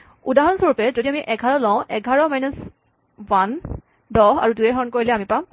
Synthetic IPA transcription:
udaɦɔnsoɹupɛzodiamiʔɛɡʱaɹɔlɔ̃ʊ̃ʔɛɡʱaɹɔmajnɔs | wan | dɔɦa̰ɹudujɛɦɔɹnkoɹilɛamipã

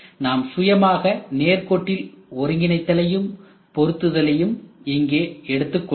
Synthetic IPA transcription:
naːmsʊjɐmaːɣɐneːɾkoːʈːɪlɔɾɯŋɡɪnɐɪt̪ːɐlɐjɯm | pɔɾɯt̪ːɯðɐlɐjɯmɪŋɡeːɛɽɯt̪ːɯkː

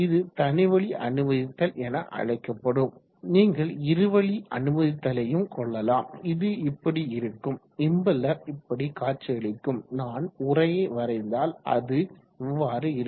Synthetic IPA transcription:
ɪðɯt̪ɐnɪʋɐɭiʔɐ̰nɯmɐðɪt̪ːɐlʔɛnɐʔɐ̰ɻɐɪkːɐpːɐɽɯm | niːŋɡɐɭɪɾɯʋɐɭiʔɐ̰nɯmɐðɪt̪ːɐlɐjɯmkɔɭːɐlaːmɪðɯɪpːɐɽiɪɾɯkːɯm | ɪmbɐlːɐɪpːɐɽikaːt͡ʃːɪɐɭɪkːɯmnaːnʊrɐjɐʋɐɾɐɪnd̪aːlʔɐ̰ðɯ | ɪʋːaːɾɯɪɾ

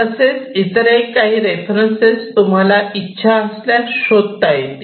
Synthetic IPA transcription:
əset͡sit̪əɾajkaɦiːɾefɾənsed͡zt̪um̤alaitːɕʰaəsljaɾɕod̪̚t̪aɦet̪

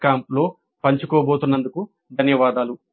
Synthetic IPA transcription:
kaːmplo̞ː | pɐɲt͡ʃukoːboːt̪unːɐnd̪uku | d̪ʱɐnjɐʋaːd̪aːlu

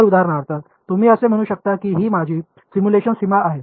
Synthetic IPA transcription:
ɾud̪ʱaɾɳaɾt̪a | t̪um̤iːəsem̤əɽ̃uːɕək̚t̪akiːɦiːmad͡ʑʱiː | simjuleɕənsimaʔaɦe

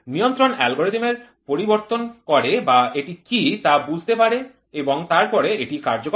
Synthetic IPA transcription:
nijont̪ɾonɛlɡoɾet̪imeɾ | poɾiboɾt̪onkɔɾebaeʈikit̪abud͡ʑʱt̪epaɾe | eboŋt̪aɾpɔɾeeʈikaɾd͡ʑok

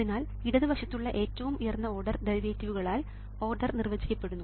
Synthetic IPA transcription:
inaːl | iɽɐðɨbɐʂɐt̪ːuɭːɐʔe̞ːtːɐʋumujɐrnːɐo̞ːrɖɐrd̪eɾʋeːtːiʋuɣɐɭaːl | o̞ːrɖɐrnirʋɐd͡ʑikʲːɐpːe̞ɽunːu

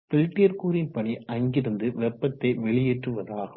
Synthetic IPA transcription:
fɪlʈːɪjɐɾkuːɾɪnpɐɳiɐŋɡɪɾɯnd̪ɯʋɛpːɐt̪ːɐɪʋɛɭɪjeːʈrɯʋɐðaːɣɐ

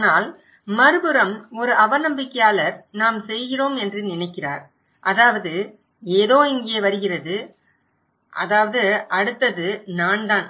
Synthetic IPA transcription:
naːl | mɐɾɯbɯɾɐmɔɾɯʔɐʋɐnɐmbɪkːɐjaːlɐɾnaːmsɛjɣɪroːmɛndrɯnɪnɐɪkːɪra̰ːɾ | ʔɐðaːʋɐðɯ | eːðoːɪŋɡɪjeːʋɐɾɯɣɪrɐðɯ | ʔɐðaːʋɐðɯɐɽɯt̪ːɐðɯnaːnd̪aːn

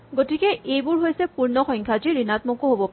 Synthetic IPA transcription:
ɡotikɛʔejbʊɹɦojsɛpuɹnɔxɔŋkʰad͡ʒiɹinatmɔkoɦobɔp

